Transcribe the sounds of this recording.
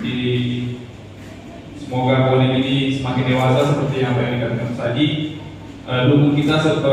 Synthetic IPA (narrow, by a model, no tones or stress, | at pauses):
di | səmoɡakolininisəmakɪndewasasəpərt̪ijaŋbanikankasaɡi | ʔədukuŋkit̪asərt̪ə